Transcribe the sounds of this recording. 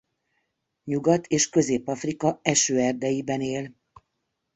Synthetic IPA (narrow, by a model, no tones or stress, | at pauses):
ɲuɡɒt̪ʰeːʃkø̞zeːpɒfrikɒɛʃøːɛrd̪ɛjibɛneːl